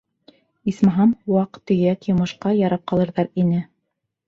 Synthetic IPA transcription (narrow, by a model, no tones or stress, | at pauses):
ismɑɦɑmwɑqt̪ːɘ̆ɡækjŏmɤ̆ʃqɑjɑɾɑp̚qɑlˠɤ̆ɾðɑɾinɘ